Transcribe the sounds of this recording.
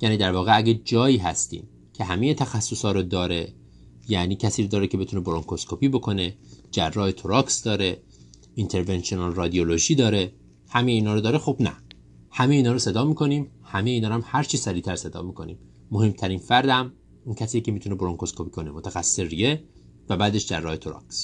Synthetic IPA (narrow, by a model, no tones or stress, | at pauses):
jæːniːd̪æɾvɒːɣeæɟæd͡ʒɒːiːɦæst̪ḭːm | cʰe̞ɦæmejet̪ʰæxæsːosɒːɾod̪ɒːɾe | jæniːcʰæsiːɾod̪ɒːɾecʰe̞be̞t̪uneboɾoŋkʰoskʰopʰiːbo̞kʰo̞ne̞d͡ʒærːɒːhet̪ʰoɾɒːksd̪ɒːɾe | int̪ʰeɾvenʃionɑlrɒːd̪ioloʒiːd̪ɒːɾe̞ | hæmejeiːnɒːɾod̪ɒːɾexobnæ̰ | hæme̞jeiːnɒːɾose̞d̪ɒːmiːkʰo̞niːmhæmejeiːnɒːɾæmhæɾt͡ʃʰiːsæɾiːt̪ʰæɾse̞d̪ɒ̰ːmiːkʰo̞̰nḭːmː | ohe̞mt̪ʰæɾinfæɾd̪æm | uːncʰæsiːcʲʰe̞miːt̪uneboɾoŋkoskʰopi̥kʰo̞nemo̞t̪ʰæxæsːseɾije | væbæːd̪e̞ʃd͡ʒærːɒːhet̪ʰoɾɒ̰ks